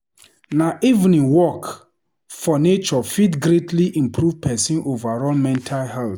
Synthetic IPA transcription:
naʔivnĩŋwɔk | fɔnet͡ʃɔfitɡɾetʰliʔĩmpʰɹuvpʰɛsĩnʔovaɹɔlmɛ̃ntʰalhɛlθ

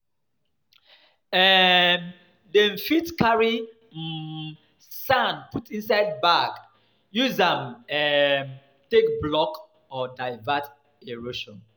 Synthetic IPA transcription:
ɛm | dɛ̃nfitkaɹi | sãnputĩnsaɪd̚baɡ | juzãmɛm | tek̚blɔk | ɔdaɪvat | eɹoʃɔ̃n

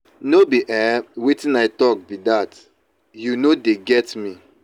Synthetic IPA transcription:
nobiʔɛwetĩnaɪtɔk̚bidat | junodeɡɛtmi

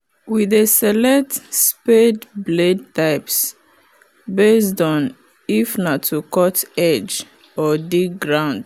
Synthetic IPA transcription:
wiðesɛlɛk̚tspedbled̚taɪps | besdɔ̃n | ifnatʰukɔtɛd͡ʒ | ɔdik̚ɡɹãʊ̃nd̥

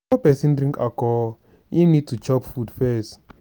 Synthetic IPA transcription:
ɔpɛsĩndɾĩŋka̰kɔ | jinid̚tut͡ʃɔpfudfɛs

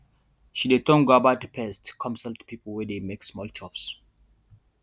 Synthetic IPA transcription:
ʃidetɔ̃ŋɡabatpʰɛstkʰɔ̃msəltpʰipəlwɛdemeksmɔlt͡ʃʰɔps

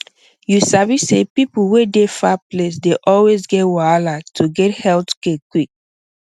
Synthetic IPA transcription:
jusavisḛpipuwedefaples̬deʔɔlwezɡɛtwalatʰuɡɛthɛltkekwik̚

